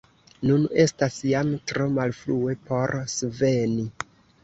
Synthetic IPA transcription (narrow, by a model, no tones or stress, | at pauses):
nune̞stasjamtɾo̞malflue̞po̞ɾsve̞ni